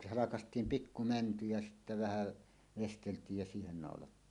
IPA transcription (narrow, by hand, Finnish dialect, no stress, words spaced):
hɑlɑkɑstˑiːm pikːu mænty jɑ sitːæ ʋæhæˑ ʋesteltˑiːj jɑ siːhen nɑˑolɑtːiːn